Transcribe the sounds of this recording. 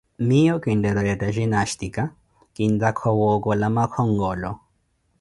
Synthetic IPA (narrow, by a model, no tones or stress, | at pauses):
mijɔkindɛɾɔjataʒinaʃtika | kind̪akʰɔwɔkɔlamakʰɔŋɡɔlɔ